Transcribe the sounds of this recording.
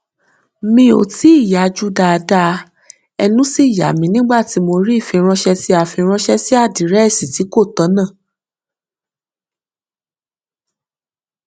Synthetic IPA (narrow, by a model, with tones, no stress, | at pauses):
mĩ˧o̰˨ti˨˦i˦˨ja˨˦d͡ʒu˦˨da˧da˧ | ɛ˧nũ˦si˦˨ja̰˨mĩ˧nĩ˦ɡ͡ba˦˨ti˨˧˦mo˧ɾi˦˨fĩ˧ɾ̃ɔ̃˧ʃɛ˧ti˧˦a˨fĩ˧ɾ̃ɔ̃˧ʃɛ˦si˦a˦˨di˨ɾɛ˦ɛ˦˨si˨ti˨˦ko˦˨tɔ˨˦nã˦˨